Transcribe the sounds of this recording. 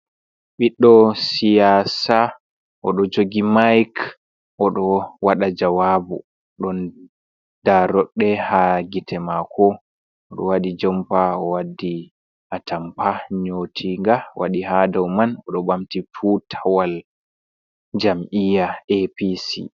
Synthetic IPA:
ɓiɗːɔsijaːsa | ʔɔɗɔd͡ʒoɡimajk | ʔɔɗɔwaɗad͡ʒawabṵ | ɗɔn | d̥aɾɔɗːɛhaɡitʰɛmakʰɔ | ɔɗɔ̰wadid͡ʒɔmpaɔwadi | ʔatʰampaɲotʰiŋɡawa̰ɗiɦadawmanɔɗɔbamtifutʰawal | d͡ʒamʔijaepisḭ

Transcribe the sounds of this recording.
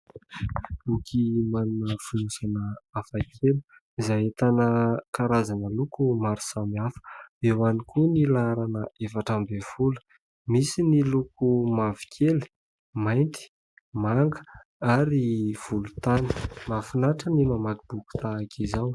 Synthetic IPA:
lukʰimanunəfulusanəafakʰeli̥ | izajet̪anəkaɾazanəlukumaɾu̥samiafə̥ewanikunilaɾanəefaʈ͡ʂambev̥ulə̥ | misinilukumavi̥kʰeli̥ | majnt̪i̥ | maŋɡə̥ | aɾiv̥ulut̪ani̥mafinaʈ͡ʂənimamakib̥uku̥t̪aːkizaw

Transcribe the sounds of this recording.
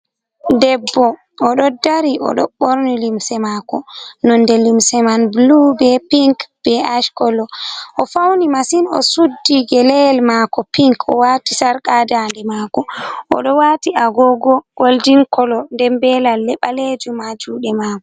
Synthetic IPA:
dɛbːɔ | ɔɗɔdaɾiʔɔ̰ɗɔɓoɾnilimsɛmaːkɔnɔndɛlimsɛmanblubɛpiŋkb̥ɛaʃkɔlɔʔɔfawnimasinɔ̰sudːiɡɛlɛlmakɔpiŋkɔ̰watisaɾkadandɛmaːkɔʔɔ̰ɗɔwatiʔaɡɔɡɔɡ̥oldiŋkɔlɔndɛmbɛlalːɛɓaled͡ʒumad͡ʒuːɗɛmaːkɔ

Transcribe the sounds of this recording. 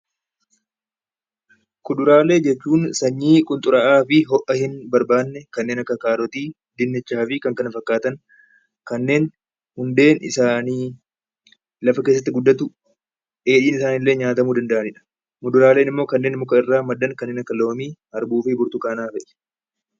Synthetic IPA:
kʊd̪ʊɾaːle̞ːd͡ʒɛt͡ʃːuːnsɐɲːiːkʼʊnt̪ʼʊɾɐʔaːfɪɦɔʔɐhɪnbɐɾbaːnːɛkɐnːeːnɐkːɐkaːɾɔt̪iː | d̪ɪnːɪt͡ʃːaːfɪkɐŋkɐnɐfɐkːaːt̪ɐŋ | kɐnːe̞ːn | hʊnd̪e̞ːnɪ̰saːniː | lɐfɐkesːɐt̪ːɪɡʊd̪ːɐt̪ʊ | ʔe̞ːᶑiːnɪsaːnɪlːe̞ːɲaːt̪ɐmuːd̪ɐnd̪ɐʔɐnɪᶑɐ̥ | mʊd̪ʊɾaːle̞ːnɪmːo̞ːkɐnːe̞ːnɪmːoːkɐɪrːaːmɐd̪ːɐŋkɐnːeːnɐkːɐloːmiːhɐɾbuːfɪbʊɾt̪ʊkʼaːnaːfɛʔɛ̥

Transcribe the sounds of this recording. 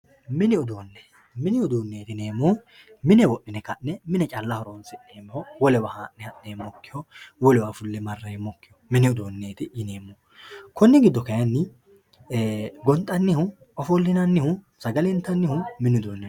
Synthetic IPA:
mɪnɪʊd̪oːnːɛ | mɪnɪʊd̪oːnːeːt̪ɪne̞ːmːɔ | mɪnɛwɔʔːɪnɛkɐʔnɛmɪnɛt͡ʃʼɐlːɐhɔɾoːnsɪʔeːmːɪhɔwɔlɛwahaːʔnɛhɐʔːeːmːɔkːɪhɔwɔlɛwaːfʊlːɛmɐrːɐjmːɔkːɪjɔmɪnɪɔd̪oːnːeːt̪ɪʔɪneːmːɔ | kɔnːɛɡɪd̪ːɔkɐjɐnːɪ | ɡɔnt̪ʼːɐnːɪhʊ | ɔfɔlːɪnɐnːɪhʊ | sɐɡɐlɛnt̪ːɐnːɪhʊmɪnɪʊd̪oːnːɛ

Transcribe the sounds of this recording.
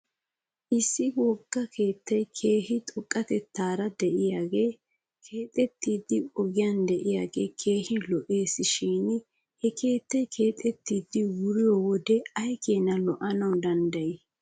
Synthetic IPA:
ʔɪsːɪwɔɡ̥ːɐkʰe̞ːt̪ːɐjkʰe̞ːhɪt̪ʼɔkʼːɐt̪ɛt̪ːaːɾɐd̪ɛʔɪjaːɡe̞ː | kʰe̞ːt̪ʼɛt̪ːiːd̪ːɪʔɔɡɪjand̪ɛʔɪjaːɡe̞ːkʰe̞ːhɪlɔʔe̞ːsɪʃiːn | hɛkʰe̞ːt̪ːɐjkʰe̞ːt̪ʼɛt̪ːiːd̪ːɪwʊɾɪjɔwɔd̪ɛɐjkʰeːnɐlɔʔɐnɐwd̪ɐnd̪ɐjɪ

